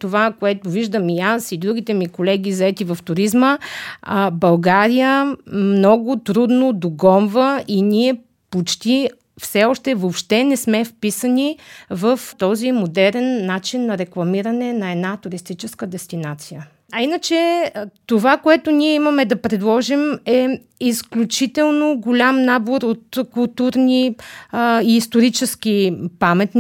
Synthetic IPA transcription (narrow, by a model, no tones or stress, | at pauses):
t̪ovakoɛt̪ʊviʒd̪əmiasid̪ɾuɡ̟it̪ɛmikolɛɡ̟ʲizɐɛt̪ivɐft̪ʊɾizmə | bɐlˠɡaɾijəmnɔɡʊt̪ɾud̪nod̪oɡɔmvəʔiniɛ | pot͡ʃt̪i | fsɛɔʃt̪ɛvopʃt̪ɛnɛsmɛfpisənʲivəft̪ɔzimod̪ɛɾɛnːat͡ʃinːɐɾɛklˠɐmiɾənɛnɐɛd̪nat̪ʊɾist̪it͡ʃɛskəd̪ɛst̪inat̪sijə | ɐinət͡ʃɛt̪ovakoɛt̪ʊniɛimɐmɛd̪ɐpɾɛd̪lˠɔʒimɛ | isklʲut͡ʃit̪ɛlˠnoɡolʲamnaboɾot̪kulˠt̪uɾni | iːst̪oɾit͡ʃɛsk̟ipamɛt̪n